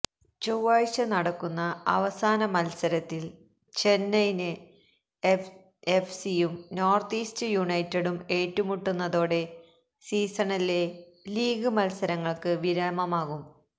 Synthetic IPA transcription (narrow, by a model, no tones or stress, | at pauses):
t͡ɕowaːɻɕɐnɐɽɐkːunːɐɐ̰ʋɐsaːnɐmɐlsɐɾɐt̪ːil | t͡ɕenːɐjnɨ | efsijumnoːrt̪iːstɨjuɳɐjtːɐɽume̞ːtːumuʈːunːɐðo̞ːɽe̞ | siːsɐɳɐle̞ | liːɡɨmɐlsɐɾɐŋːɐɭkɨʋiɾaːmɐmaːɣum